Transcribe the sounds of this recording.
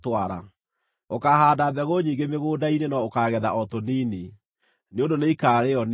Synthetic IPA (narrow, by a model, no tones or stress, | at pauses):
twaɾa̰ | okaɦaːdabɛɣoɲiːŋɡemeɣoːdainenɔokaɣɛðaʔɔtoniːne | neondoneikaːɾeɔn